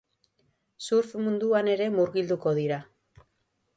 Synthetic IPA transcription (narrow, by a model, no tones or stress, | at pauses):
suɾfmund̪uane̞ɾe̞muɾɣild̪uko̞ð̞iɾa